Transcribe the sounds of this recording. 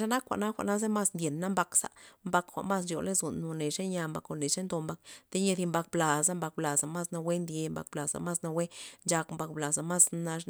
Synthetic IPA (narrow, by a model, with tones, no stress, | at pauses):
ʃa˦na˦kʷa̰˨ʔna˦xʷa̰˨ʔna˦z̬e˦ma˦snd̪ʲje˨nːa˦mba˧ksa̰˨mba˧kxʷa̰˨ʔma˦s̬t͡ʃo˨le˦zu˨nːo˨ne˨ʂe˦nja˧mba̰˧ko˧˨ne˨ʂe˦nd̪o˧mba˧k̚t̪e˦ɲe˧d̪i˧mba˧k̚bla˨za˦mba˧k̚bla˨za˨ma˦sna˧we˦nd̪je˧mba̰˧k̚bla˨za̰˨ma˦sna˧we˦nd͡ʒa˧kmba˧k̚bla˨za˨ma˦sna˧